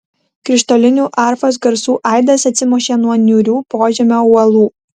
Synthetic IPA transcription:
kɾʲɪʃt̪ɔlʲɪnʲuːʔɑˑɾfɐs̬ɡɐɾsuːʔɑˑɪd̪ɐsɐt̪sʲɪmoːʃʲeːnuɔnʲʊɾʲuːpoːʒʲɛmʲoːʊlˠuː

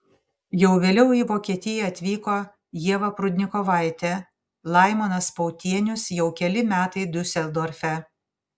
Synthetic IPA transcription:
jɛʊʋʲeːlʲɛʊiːʋoːkʲiɛt̪ʲɪjɛɐt̪ʲʋʲiːkoː | jiɛʋɐpɾʊd̪ʲnʲɪkoʋɐˑɪt̪ʲɛ | lˠɐˑɪmɐnɐspɔʊt̪ʲiɛnʲʊsjɛʊkʲɛlʲɪmʲæːt̪ɐɪd̪ʲʊsʲɛlʲˠd̪oːɾʲfʲɛ

